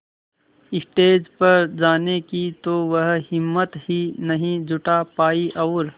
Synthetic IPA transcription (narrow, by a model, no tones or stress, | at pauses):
ɪsʈeːd͡ʒpɐɾd͡ʒaːnekit̪oːʋɐɦhɪmːət̪ɦinɐɦĩd͡ʒʊʈapaːiʔɐːɾ